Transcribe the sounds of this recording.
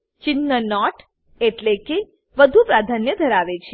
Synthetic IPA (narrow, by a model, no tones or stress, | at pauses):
t͡ʃɪnːənɔʈ | eʈleke | ʋəd̪ʱupɾad̪ʱanjəd̪ʱəɾaʋet͡ʃʰe